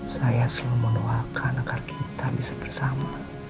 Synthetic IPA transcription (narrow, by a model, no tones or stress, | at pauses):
sajasəlamənoakʰanaɡarkʰit̪ʰabisabərsama